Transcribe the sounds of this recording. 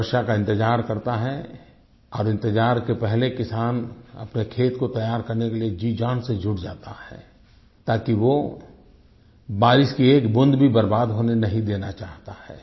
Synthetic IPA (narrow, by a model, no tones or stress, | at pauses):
ʃakaɪ̃nt̪ɪd͡ʒaːɾkɐɾt̪aɦɛ | ɔːɾɪ̃nt̪ɪd͡ʒaːɾkepɛɦlekɪsaːnɐ̰pnekʰeːt̪kot̪ɐjaːɾkɐɾnekelied͡ʒiːd͡ʒaːnsed͡ʒʱʊɽd͡ʒa̰ːt̪ahɛ̰ː | t̪aːkiʋo | baːɾɪskieːkbʊ̃nd̪bʱibɐɾbaːd̪ɦoːnenɐɦĩd̪eːnat͡ʃaːɦt̪ahɛ̰ː